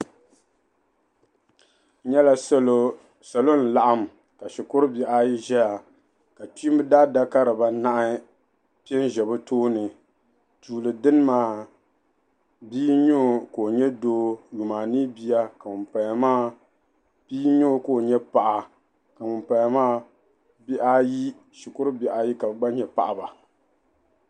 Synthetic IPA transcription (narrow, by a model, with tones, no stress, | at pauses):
ɲɛ˦la˦ | sa˨lo˦n̩˨la˨ʔa˦m˨ | ka˨ʃi˨kʊ˦ɾɨ˦bɛ˨ʔa˦i˦ʒɛ˦ja˨ | ka˨ti˦m˦bɨ˦daː˦da˦ka˦ɾɨ˨ba˨na˦ʔa˦ | pi˦ɛ˦n˦ʒɛ˨bɨ˦toː˦nɨ˨ | tuː˨lɨ˨dɨ˦n˦maː˦ | biː˦ɲo˦˨ko˨ɲɛ˦doː˦ju˨maː˨nɨ˦bi˦ja˦ka˨mʊ˨pa˨ja˨maː˦ | b̥iː˦ɲo˦˨ko˦˨ɲɛ˦pa˨ʔa˨ | ka˨mʊ˨mpa˨ja˨maː˦ | bi˦ʔa˦ji˦ | ʃi˨kʊ˦ɾɨ˦bi˨˦ʔa˨˦ji˦ka˨bɡ͡ba˦ɲɛ˨pa̰˨ʔa˨ba˨